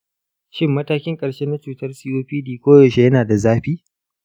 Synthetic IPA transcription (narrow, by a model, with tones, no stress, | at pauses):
ʃɪ˦mːɐ˦taː˦kʲɪ˦ŋkʼɐ˨ɽʃe˦na˦t͡ʃuː˨tɐ˦rsiː˦ʔoː˦ɸiː˦diː˨kʷoː˦jɐ˨ʃe˦jɐ˦naː˨da˨zaː˦ɸiː˦